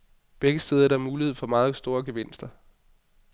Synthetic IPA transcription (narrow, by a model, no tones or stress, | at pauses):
b̥eɡ̥əsd̥eːð̞ˠɐɾ̥ɑ̈ɐmuːlihe̝ð̞̰ˠfɒ̽mɑ̈ːð̞̩ˠsd̥o̝ːɐɡ̥eʋe̝n̰sd̥ɐ